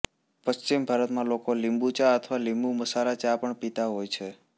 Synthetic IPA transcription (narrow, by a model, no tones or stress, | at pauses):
pəst͡ʃimbʱaɾət̪mãlokolimbut͡ʃaət̪ʰʋalĩmbuməsaɾat͡ʃapəɳpit̪aɦojt͡ʃʰe